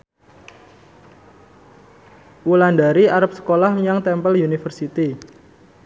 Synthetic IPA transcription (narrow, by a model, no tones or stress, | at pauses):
wulandaɾiaɾap̚sə̥kolahmijaŋt̪ɛmpəljunifərsit̪i